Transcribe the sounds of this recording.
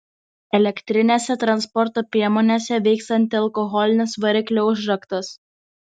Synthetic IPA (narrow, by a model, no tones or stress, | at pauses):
ɛlʲɛkʲt̪ʲɾʲɪnʲeːsʲɛt̪ɾɐnspɔɾt̪oːpʲɾʲiɛmoːnʲesʲɛʋʲɛɪkst̪ɐnʲt̪ʲɪɐlˠkɔɣɔlʲɪnʲɪsʋɐɾʲɪkʲlʲoʊʒɾɐkt̪ɐs